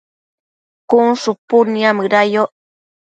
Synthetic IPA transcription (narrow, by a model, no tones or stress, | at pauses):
kunsupuniamɯɾajoʔ